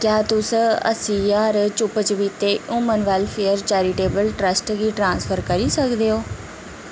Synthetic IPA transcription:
kjaːt̪ʊsə̰sĩːjaːɾt͡ʃʊpət͡ʃʋiːt̪eːũːmənʋɛlfʰeːəɾt͡ʃɛːɾiʈeːbəlʈɾəsʈɡiːʈɾãːnspʰəɾkəɾiːsəkd̪eːoː

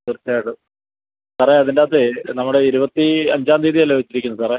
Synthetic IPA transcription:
t̪ɨrt̪ːaːiɽɨ | saːɾeɐðindaːt̪ːenɐmːuɽeiɾubɐt̪ːiɐɲd͡ʑaːnd̪iːðijɐlːoit͡ɕːiɾikʲːunːusaːreː

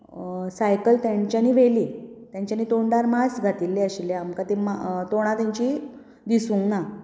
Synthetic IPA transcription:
sajkəlt̪jaɲt͡ɕjaniːʋeliːt̪jãɲt͡ɕjaniːt̪oɳɖaɾmasɡʱat̪ilːeəɕilːeamkat̪emat̪oɽ̃at̪jãɲt͡ɕi | d̪isũːŋna

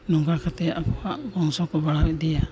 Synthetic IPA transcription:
nuŋɡakʰat̪ɛakɔaʔbɔŋsɔkɔbaɽawɛd̪ɛja

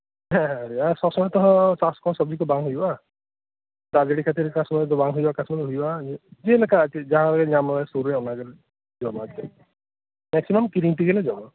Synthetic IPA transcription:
ɦɛ̃ɦɛ̃ɾiasɔbsɔmɔjt̪ɔɦɔ̃saskɔ̃nsɔbd͡ʒikubaŋɦujba | t̪ad͡ʒeɽikʰat̪iɾkasɔmɔd͡ʒɔbaŋɦujbakasmɔt̪ɦujbad͡ʒilekaid͡ʒaɦãlɔɡeɲamɔlasuɾɾeɔnaɡele | d͡ʒɔmat̪ikɛ | mɛksimɔmkiɾiŋʈiɡeled͡ʒɔma

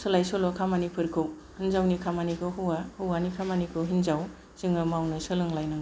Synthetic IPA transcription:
sɯlajsɔlɔkʰamanipʰɯɾkʰɯw | hinzawnikʰamanikʰɯɦɯwahɯwanikʰamanikʰɯɦinzaw | z̥ɯŋɯmawnɯsɯlɯŋlajnaŋ

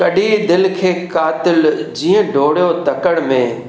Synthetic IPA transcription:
kɐɗid̪ɪlkʰeːkaːt̪ɪld͡ʑiːə̃ɖʱoːɽjot̪ɐkəɽ̃mẽː

